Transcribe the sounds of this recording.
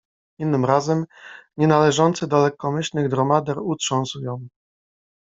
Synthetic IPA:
inːɘmɾazɛmɲɛnalɛʐɔnt̪sɘd̪ɔlɛkːɔmɘɕlnɘɣd̪ɾɔmad̪ɛɾutʂɔ̃w̃sujɔ̃w̃

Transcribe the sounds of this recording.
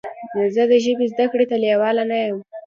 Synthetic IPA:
zəd̪əʒəbezd̪akɽet̪aljawɑlanajəm

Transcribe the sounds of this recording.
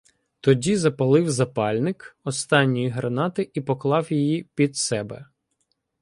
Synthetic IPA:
t̪ɔdʲizɐpɐlˠɪwzɐpɑlʲnɪkɔst̪ɑnʲːijiɦɾɐnɑt̪ɪʔipɔklˠɑwjijipʲid̪sɛbɛ̰

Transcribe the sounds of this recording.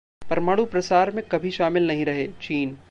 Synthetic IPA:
pɐɾmaɽupɾɐsaːɾmẽkɐbʱiʃaːmɪlnɐɦĩɾɐɦeːt͡ʃiːn

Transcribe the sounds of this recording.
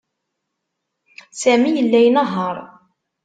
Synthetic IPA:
sæmijəlːæjənəɦːɑɾˤ

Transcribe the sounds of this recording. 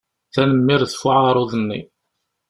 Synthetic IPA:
θænəmːɪɾθfʊʕaɾˤʊðənːḭ

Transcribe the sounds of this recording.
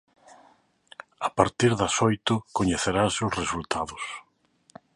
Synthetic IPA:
apaɾt̪iɾðɐsɔjt̪ʊkoɲeθeɾaseʊsresult̪ʰaðʊs

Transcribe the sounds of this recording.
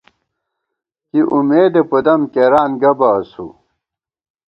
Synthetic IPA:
kiʔumeːd̪epud̪ɐmkeɾaːnɡɐbɐːsṵ

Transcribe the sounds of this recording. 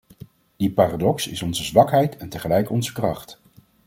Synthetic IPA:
d̥ipaːradɔksɪ̰sɔnzəzʋɑkɦɛjtɛntəχəlɛjkɔnzəkrɑχt

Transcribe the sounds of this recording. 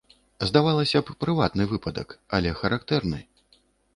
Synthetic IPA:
zd̪avalˠɐsʲɐppɾɨvat̪nɨvɨpɐd̪ɐ̰kɐlʲɛxɐɾʔakt̪ɛrnɨ̰

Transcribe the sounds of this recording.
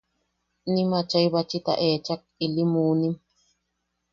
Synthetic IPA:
nimat͡ʃajβat͡ʃit̪a̰ʔet͡ʃak̚ilimuːnim

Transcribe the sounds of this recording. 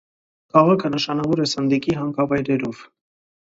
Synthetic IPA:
kʰɑʁɑkʰənəʃɑnɑvɔɾɛsənd̪ikiɦɑŋkɑvɑjɾɛɾɔv̥

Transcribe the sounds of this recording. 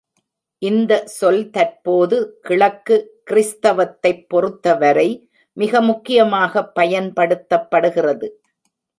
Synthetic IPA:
ʔɪnd̪ɐsɔlt̪ɐrpoːðɯkɪɭɐkːɯkɪɾɪst̪ɐʋɐt̪ːɐɪpːɔɾɯt̪ːɐʋɐɾɐɪ | mɪɣɐmʊkːɪjɐmaːɣɐpːɐjɐnpɐɽɯt̪ːɐpːɐɽɯɣɪrɐðɯ

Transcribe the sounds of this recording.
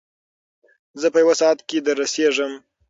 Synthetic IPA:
zəpəjawasɑat̪ked̪əɾaseʐəm

